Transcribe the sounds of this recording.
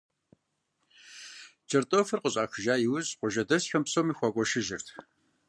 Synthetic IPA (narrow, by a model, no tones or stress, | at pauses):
t͡ʃʰɐrtʼoːfɨrqəɕʼaːxɨʒaːjɪwʊzʼqʷʊʒɐdɐsxɐmpsoːmiːxʷakʷʼɔʃɪʒɪrtʰ